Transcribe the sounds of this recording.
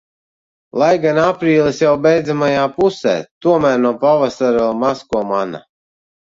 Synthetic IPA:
lˠajɡanapɾiːlˠisjawbɛjd̪zamajaːpusɛ̰ːt̪uɔmæːɾnuɔpavasaɾɛlˠmaskuɔmana̰

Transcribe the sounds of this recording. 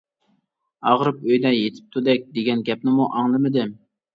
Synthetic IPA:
ɑʁɾɨpøjd̪ɛjet̪ʰɪ̥p̚t̪ʰud̪ɛk̚ʲd̪eɡʲɛnɡʲɛp̚nɪmuʔɑŋlˠɨmɨd̪ɪ

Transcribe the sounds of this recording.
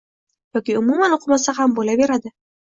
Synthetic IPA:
jɒkʲiʊmumanoqʰɨmasahambolabe̞ɾad̪ɪ

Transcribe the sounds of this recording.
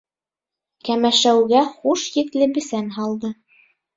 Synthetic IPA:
kæmæʃæwɡæχuʃjɘ̆klɘbɘ̆sænɦɑlˠd̪ɤ

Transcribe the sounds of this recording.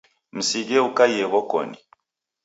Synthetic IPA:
m̩siɡɛukajɛɣɔkɔ̰ni

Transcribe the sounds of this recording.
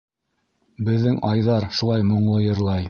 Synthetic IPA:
bɘ̆ðːɘŋɑjðɑɾʃulˠɑjmŏɴlˠɤjɤ̆ɾlˠɑj

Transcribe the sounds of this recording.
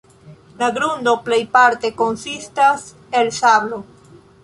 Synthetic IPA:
laɡɾund̪oplejpaɾt̪ekonsist̪as | elsaβlo

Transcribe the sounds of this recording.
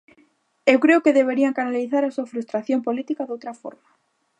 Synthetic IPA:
ewkɾeʊokeðeβ̞eɾiaŋkanaliθaɾasuafɾust̪ɾaθjompolit̪ikaðowt̪ɾafo̰ɾma

